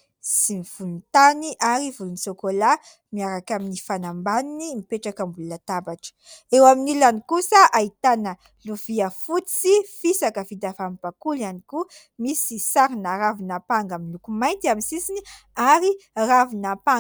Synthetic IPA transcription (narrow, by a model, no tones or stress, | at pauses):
simiv̥ulunt̪aniʔaɾivulunisokola | miaɾakaminifanambaninimipeʈ͡ʂakəmbulunat̪abaʈ͡ʂə̥ewaminilanikusəʔait̪anə | luviəfut͡sifisakəvid̪afampakulianiku | misisaɾinaɾavinapaŋɡamilukumajnt̪iamisisiniaɾiravinapa